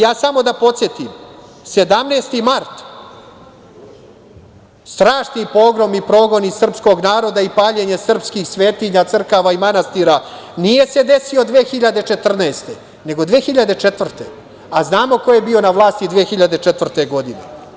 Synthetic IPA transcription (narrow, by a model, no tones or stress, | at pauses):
jaːsamo̞d̪apo̞t̪sje̞t̪im | se̞d̪amneːst̪imaɾt̪ | st̪ɾaːʃnipo̞ːɡɾomipɾo̞ːɡo̞nisr̩psko̞ɡnaːɾo̞d̪aipaːʎe̞ɲe̞sr̩pskixsʋeːt̪iɲat̪sr̩kaʋaimanast̪iːɾa | nije̞se̞d̪e̞sio̞d̪ʋeːxiʎad̪e̞t͡ʃe̞t̪r̩naest̪e̞ | ne̞ɡo̞d̪ʋeːxiʎad̪e̞t͡ʃet̪ʋr̩t̪ḛ | aznaːmo̞ko̞je̞bio̞naʋlˠaːst̪id̪ʋeːxiʎad̪e̞t͡ʃet̪vr̩t̪e̞ɡo̞d̪ine